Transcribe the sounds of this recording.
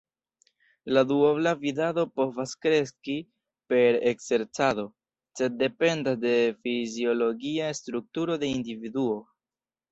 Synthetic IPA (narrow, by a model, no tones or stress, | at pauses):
laduoblavidado̞po̞vaskɾe̞ski | pe̞ɾekse̞ɾt͡sado̞ | se̞dːe̞pe̞ndasde̞fizio̞lo̞ɡiastɾuk̚tuɾo̞de̞individuo̞